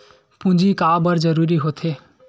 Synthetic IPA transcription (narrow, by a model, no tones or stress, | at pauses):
pũd͡ʒikabəɾd͡ʒəɾuɾiɦot̪ʰe